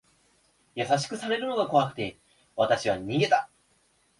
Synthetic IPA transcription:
jasaɕ̬i̥kɯ̟saɾe̞ɾɯ̟no̞ɡako̞βakɯ̥t̪e̞ | βat̪aɕiβaɲ̟iɡe̞t̪a

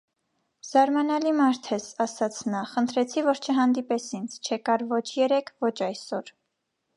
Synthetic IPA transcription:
z̥ɑɾmɑnɑlimɑɾt̪ʰɛsɑsɑt͡sʰnɑχənt̪ʰɾɛt͡sʰivɔɾt͡ʃʰəɦɑnd̪ipɛsʰint͡sʰt͡ʃʰɛkɑɾvɔt͡ʃʰjɛɾɛkʰvɔt͡ʃʰɑjsɔɾ

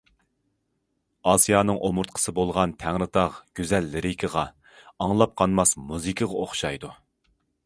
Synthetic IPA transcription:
ɑsijɑːnɨŋʔomuɾt̪̚qʰə̥sɨbolˠʁɑnt̪ʰæŋɾɨt̪ʰɑʁɡ̥ʲyzɛlːɪɾɪkʰəʁɑ | ɑŋlˠɑp̚qʰɑnmɑsmuzɨkʰəʁɑoχʃɑjd̪u

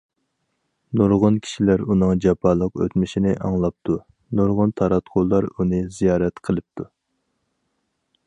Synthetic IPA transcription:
nuɾʁʊnkʲʰi̥ʃilæɾunɨŋd͡ʒɑpʰɑlˠəqø̰t̪mɪʃinɪʔɑŋlˠɑp̚t̪ʰu | nuɾʁʊnt̪ʰɑɾɑt̪qʰolˠːɑɾunɨzijɑːɾɛt̪qʰəlˠɨp̚t̪ʰu

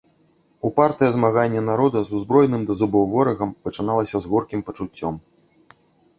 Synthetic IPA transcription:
upart̪ɨjɐzmaɣanʲːɛnaɾɔd̪ɐzuzbɾɔjnɨmd̪ɐzubɔwvɔɾɐɣɐmpɐt͡ʂɨn̪alˠɐsʲɐzɣɔrkʲimpɐt͡ʂut͡sʲːɔm

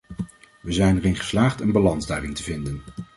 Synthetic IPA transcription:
ʋəzɛjnɛrɪnχə̥slaːχtənbalɑnzdœɥdɪŋtəvɪndən

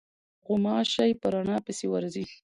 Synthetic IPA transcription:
ɣʊmɑʃajpəɾaɳɑpɪsewaɾzi

